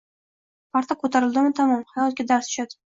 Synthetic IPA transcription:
pʰaɾt̪ʰakʰɵt̪ʰaɾɪlˠd̪ɪmɪt̪ʰamɒmhajɒt̪̚ɡʲad̪aɾsʊ̥ʃad̪ɪ

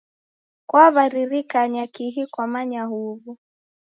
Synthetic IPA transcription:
kwaβaɾiɾikaɲakiɦikwamaɲaɦuβu

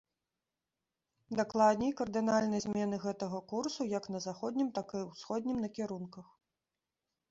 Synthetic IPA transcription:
d̪aklˠad̪̚ʲnʲijkɐrd̪ɨnalʲnɨjɐzʲmʲɛnɨɣɛt̪ɐɣɐkursujɐknɐzaxɔd̪ʲnʲimt̪akɨwsxɔd̪ʲnʲimnɐkʲɛɾunkɐx

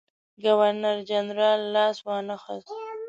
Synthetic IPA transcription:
ɡawaɾnaɾd͡ʒanɾɑːlːɑːswɑːnaxas

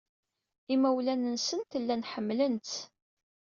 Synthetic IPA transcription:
imæwlænənsənt̪əlːænħəmːlənt̪

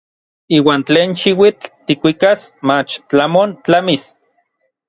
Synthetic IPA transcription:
iːwaːnt͡ɬeːnʃiwit͡ɬt̪ikʷikasmat͡ʃt͡ɬamont͡ɬamis

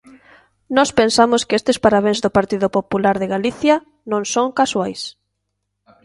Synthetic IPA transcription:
nɔspensamʊskɪest̪ɪspaɾaβ̞ẽŋzðʊpaɾt̪iðʊpopulaɾðɪɣaliθjɐ | nõŋsõŋkaswajs

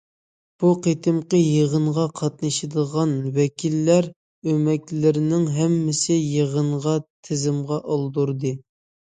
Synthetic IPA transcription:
b̥uqʰet̪ʰɪmqəjeʁənʁɑqʰɑt̪̚nɨʃɨd̪əʁɑnwɛkʲʰilːæɾ | ømɛkʲlɪɾɪnɪŋɦɛmːɪsɪjeʁənʁɑt̪ʰɪzɪmʁɑʔɑlˠd̪uɾd̪ɨ

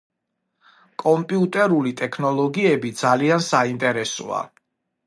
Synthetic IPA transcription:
kʼɔmpʼiut̪ʼɛɾulit̪ʼɛkʰnɔlˠɔɡiɛbid̪zaliansaint̪ʼɛɾɛsɔ̰a̰

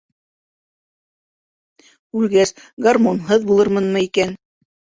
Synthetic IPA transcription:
ʉlɡæs | ɡarmonɦɤðbulˠɤɾmɤnmɤikæn

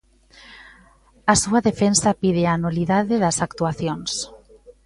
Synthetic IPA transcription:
asuaðefensapiðeanuliðaðeðɐsakt̪uaθjons

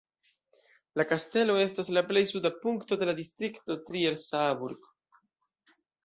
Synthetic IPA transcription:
lakaste̞lo̞e̞staslaple̞jsudapuŋkto̞de̞ladistɾikto̞tɾielsabuɾɡ

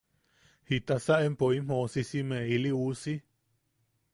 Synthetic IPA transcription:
hit̪asaʔempoim̥õsisimẽiliusi

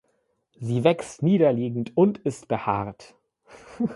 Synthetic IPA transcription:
ziːvɛkstniːɾɐliːɡŋ̩tʊntɪstb̥əha̰ːʁt

